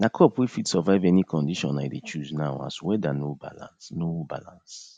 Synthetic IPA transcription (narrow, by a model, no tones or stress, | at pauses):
nakʰɔpwifitsɔvaɪvɛnikʰɔ̃ndiʃɔ̰̃najdet͡ʃuznaʊa̰swɛdanoba̰lã̰nsnoba̰lã̰ns